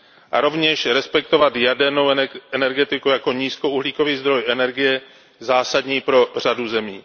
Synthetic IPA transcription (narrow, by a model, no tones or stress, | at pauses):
ʔa̰ɾo̞vɲɛʃɾɛspɛkt̪o̞vat̪jadɛɾno̞wɛnɛɾɡɛt̪ɪkujako̞ɲiːsko̞uɦliːko̞viːzd̪ɾo̞jʔɛnɛɾɡɪjɛ | zaːsadɲiːpɾo̞r̝̥aduzɛmḭː